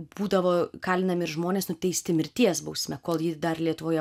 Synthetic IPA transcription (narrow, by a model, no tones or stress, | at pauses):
b̥uːd̪ɐʋoːkɑːlʲɪnɐmʲɪɾʒmoːnʲeːsnʊt̪ʲɛɪsʲt̪ʲɪmʲɪɾʲt̪ʲiɛsbɐʊsʲmʲɛkoːlˠjɪd̪ɐrlʲiɛt̪ʊʋoːjɛ